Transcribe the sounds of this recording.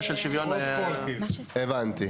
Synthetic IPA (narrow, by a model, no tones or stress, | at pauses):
ʃelʃivjonolki | evant̪i